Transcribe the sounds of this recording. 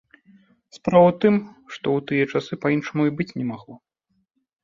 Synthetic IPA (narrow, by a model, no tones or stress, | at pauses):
spɾavɐt̪ɨmʂt̪ɔwt̪ɨjɐt͡ʂasɨpainʂɐmuibɨt͡sʲnʲɛmaɣlˠɔ